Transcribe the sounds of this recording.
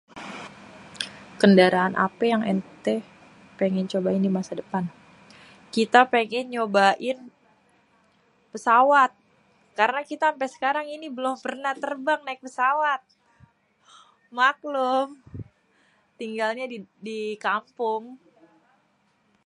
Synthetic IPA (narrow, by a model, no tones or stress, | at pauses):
kəndaɾaːnʔa̰pɛjaŋɛ̰nt̪ɛ | paŋɛɲt͡ʃobaɪndimasadəpan | kit̪apeŋɛɲt͡ʃobaʔɪn | pəsawat̪̚ | kaɾənakit̪aːmpɛsə̥kaɾaŋinibəlʊmpərnaht̪ərbaŋnaik̚pəsawat̪̚ | maklʊm | t̪iŋɡalɲadikampʊŋ